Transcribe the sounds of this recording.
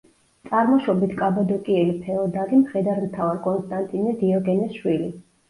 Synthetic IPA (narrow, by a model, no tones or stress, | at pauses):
t̪sʼaɾmɔʃɔbit̪ʰkʼabad̪ɔkʼiɛlipʰɛɔd̪aɾimχɛd̪aɾmt̪ʰavaɾkʼɔnst̪ʼant̪ʼinɛd̪iɔɡɛnɛsʃwili